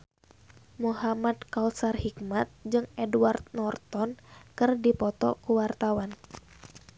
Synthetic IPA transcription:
muɦamadkausarhikmat̪̚d͡ʒɨŋɛduwart̪̚nɔrt̪ɔnkɨrdipɔt̪ɔ̰kuwart̪awan

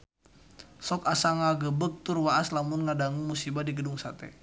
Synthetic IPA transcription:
sɔkasaŋaɡəbək̚t̪urwaaslamunŋadaŋuŋmusibadiɡəduŋsat̪ɛ̰

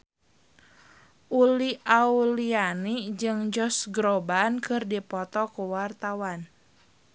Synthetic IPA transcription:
ʔuliʔaulianid͡ʒɨŋd͡ʒɔsɡɾɔbankɨrdipɔt̪ɔkuwart̪awan

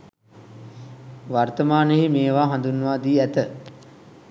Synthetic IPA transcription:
ʋart̪əmaːneɦimeːʋaːɦand̪unːəʋaːd̪iːæt̪ə

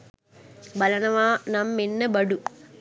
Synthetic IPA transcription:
bɐlɐnɐʋaːnɐmːenːɐbɐɖu

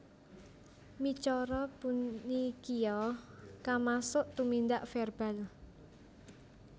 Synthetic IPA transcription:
mit͡ʃɔɾɔpunikiɔkamasʊʔt̪umind̪aʔfɛrb̥al

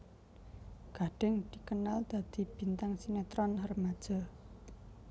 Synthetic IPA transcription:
ɡ̥a̤ɖ̥ɛ̤ŋd̪̥i̤kənald̪̥a̤d̪̥i̤b̥i̤nt̪aŋsinet̪ɾɔnɦərmad̥ʒ̥a̤

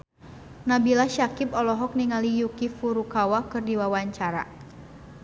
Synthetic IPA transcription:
nabilaʃakipɔlɔɦɔk̚niŋalijukifuɾukawakɨrdiwawaɲt͡ʃaɾa̰

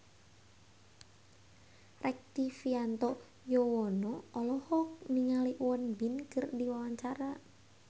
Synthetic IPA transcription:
rɛk̚t̪ifiant̪ɔ | jɔwɔnɔɔlɔhɔk̚miŋaliʔwɔnbinkɨrdiwawaɲt͡ʃaɾa

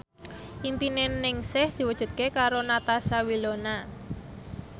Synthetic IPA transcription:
ʔimpinenːɪŋsɪhd̪̥i̤wəd̥ʒ̥ṳt̪̚kekaɾonat̪asawilona

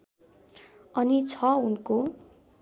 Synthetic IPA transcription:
ʌnit͡sʰʌunko

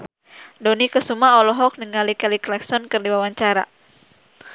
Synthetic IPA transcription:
dɔnikəsumaɔlɔɦɔk̚nəŋalikɛliklɛksɔnkɨrdiwawaɲt͡ʃaɾa̰

